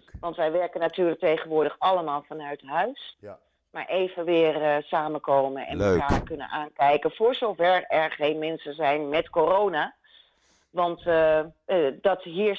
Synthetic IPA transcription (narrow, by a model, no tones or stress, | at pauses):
ʋɑntʋɛjʋɛɹkənːatyːɹlək̚tejχənʋʊːɹdəχɑləmaːlˠfɑnœɥtɦœɥs | maːɹʔejvənʋɪːrsaːməkowmənɛ̰naːkɵnə̰nʔaːnkɛjkəv̥ʊːɹzowvɛɹɛɹχejnmɛnsənzɛjnmɛtkorownaː | ʋɑnt | dɑtɦiːɹ